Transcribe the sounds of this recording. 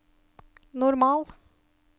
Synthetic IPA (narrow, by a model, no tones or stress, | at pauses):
nɔɾmɑːl